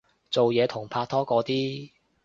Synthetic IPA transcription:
t͡so˨wjɛː˨˧t̪ʰʊ˨˩ŋpʰaː˧t̚t̪ʰɔː˥kɔː˨˥t̪iː˥

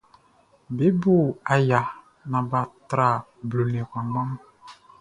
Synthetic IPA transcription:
be˦bo˦˨a˨ja˨ | nã˨ba˨tɾa˨ | blo˨le˨kã˨mã˦m˦

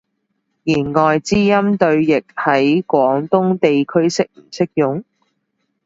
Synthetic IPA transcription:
jiː˨˩nŋɔː˨jt͡siː˥jɐ˥mt̪ɵ˧ɥjɪ˨k̚hɐ˨˥jkʷɔː˨˥ŋt̪ʊ˥ŋt̪e˨jkʰɵ˥ɥsɪ˥k̚m̩˨˩t͡sʰɪ˥k̚jʊ˨˥ŋ

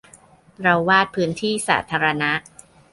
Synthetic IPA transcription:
ɾa˧wːaː˥˩t̪̚pʰɯː˦˥nt̪ʰiː˥˩sa̰ː˩˦t̪ʰaː˧ɾa˧na˦˥ʔ

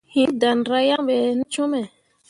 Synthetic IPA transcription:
hĩ˦da˨nɾa˦jã˦ɓɛ˨˦n̩˦t͡ʃo˦mɛ˨

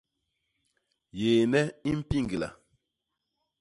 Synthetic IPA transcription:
jeː˨nɛ˦i˦m̩˦pi˦ŋɡi˨la̰˨

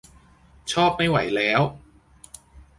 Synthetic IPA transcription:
t͡ɕʰɔː˥˩p̚ma˥˩jwa̰˨˩˦jlɛː˦˥w

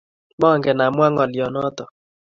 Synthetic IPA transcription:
mɔ˦˨ŋɡɛ˨na˨mwa˦ŋɔ˨lɪ˨ɔ˨nɔ˦tɔ˨

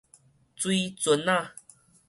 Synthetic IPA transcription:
t͡swi˦t͡swə˨˦na˥˧˨

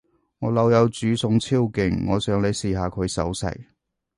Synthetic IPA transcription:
ŋɔː˨˧lɐ˨˧wjɐ˨˧wt͡syː˨˥sʊ˧ŋt͡sʰiː˥wkɪ˨˩ŋːɔː˨˧sœː˨˥ŋle˨˧jsiː˨ɦaː˨˧kʰɵ˨˧ɥsɐ̰˨˥wsɐ̰˨˩j

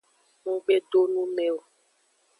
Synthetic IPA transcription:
ŋũ˦ɡ͡be˦ɖo˦nũ˦mɛ̃˨o˨

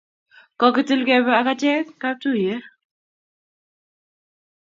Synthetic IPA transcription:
kɔ˦kɪ˦ti˦lkɛ˦bɛ˦a˨ka˦t͡ʃɛ˦kka˦p̚tu˦˨jɛ˦

